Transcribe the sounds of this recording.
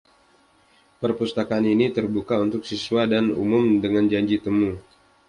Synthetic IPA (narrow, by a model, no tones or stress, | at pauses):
pərpust̪akaːninit̪ərbukaunt̪ʊksiswadanṵmʊmdəŋand͡ʒaɲd͡ʒit̪əmu